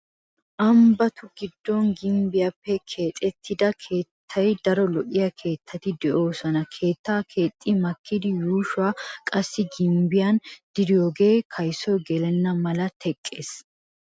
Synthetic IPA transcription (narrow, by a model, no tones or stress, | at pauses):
ʔɐmbɐt̪ʊɡɪd̪ːɔnɡɪmbɪjɐpːɛkʰe̞ːt̪ʼːɛt̪ʰːɪd̪ɐkʰe̞ːt̪ʰːɐjd̪ɐɾɔlɔʔɪjɐkʰe̞ːt̪ʰːɐt̪ɪd̪ɛʔo̞ːsɔnɐkʰe̞ːt̪ːaːkʰe̞ːt̪ʼːɪmɐkʰːɪd̪ɪjuːʃwaːkʼɐsːɪɡɪmbɪjand̪̥ɪd̪ɪjoːɡe̞ːkʰɐjsɔjɡɛlɛnːɐmɐlɐt̪ʰɛkʼːe̞ːs